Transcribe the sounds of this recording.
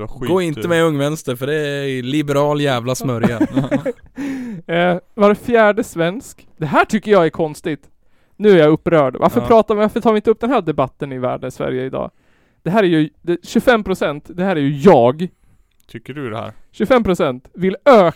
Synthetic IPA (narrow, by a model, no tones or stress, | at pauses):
ɡoːɪnt̪əmɛɵŋːvɛnst̪əɾfœɖɛlɪbɛɾɑːljæːvlasnœɾjja | vaɾfjæːɖəsvɛnsk | d̪ɛɦæːʈʰʏkːəɾjɑæɾkʰɔnst̪ɪt̪ | nʉ̟ːæɾjɑɵpːɾœːɖva̰ɾfəɾpʰɾɑːt̪avvaɾfəʈʰɑːvɪnt̪əɵp̚ːd̪ɛnɦæːɖɛbat̪ːənɪvæ̰ːɖənɪsvæ̰ɾjəɪd̪ɑ̰ː | d̪̥ɛɦæːɾæjɵd̪ɛɕɵfɛmːpʰɾʊsɛnt̪d̪ɛhæːɾæɾjɵjɑːɡ | t̪ʰʏkːə̰ɕɵfɛmːpʰɾʊsɛnt̪vɪløː